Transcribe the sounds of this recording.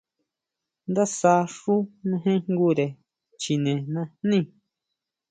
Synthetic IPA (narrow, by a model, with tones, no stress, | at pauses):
nd̪a˦sa˧ʂu˦mẽ˧ɦẽ˦ŋŋɡu˦ɾe˨ | t͡ʃi˨nẽ˨nã˧nnĩ˦˨